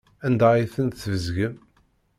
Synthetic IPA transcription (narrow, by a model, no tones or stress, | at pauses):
ænd̪æiθənθvəzʝəm